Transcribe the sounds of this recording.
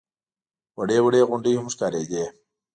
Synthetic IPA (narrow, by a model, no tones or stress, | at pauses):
wəɖeːwəɽeːɣʊɳɖiːhʊmʂkaːɾeːd͡ʑeː